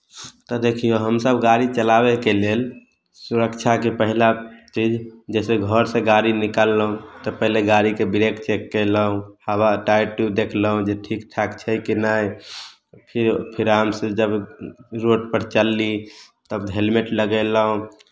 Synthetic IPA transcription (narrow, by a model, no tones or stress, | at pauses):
t̪ɔd̪ekʰijoɦəmsəbɡaɾit͡ʃəlabekelel | suɾəkt͡ʃʰakepəɦilat͡ʃid͡ʒd͡ʒɛseɡʱəɾsẽɡaɾinikalːəɦũt̪ɔpəɦleɡaɾikebiɾekt͡ʃekːələɦũhəbaʈajʈjud̪ekʰləɦũd͡ʒeʈʰikʈʰakt͡ʃʰəkinaj | pʰiɾpʰiɾamsed͡ʒəbɾoʈpəɾt͡ʃəlːi | t̪əbɦelmeʈləɡələɦũ